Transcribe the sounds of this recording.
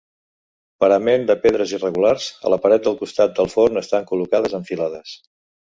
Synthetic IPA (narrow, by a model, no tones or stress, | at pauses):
pəɾəmend̪əpeðɾəzirəɣularz̥ə̰ləpəɾɛt̪̚d̪əlˠkust̪at̪̚d̪əlˠfonəst̪aŋkulukaðəzəɱfilaðəs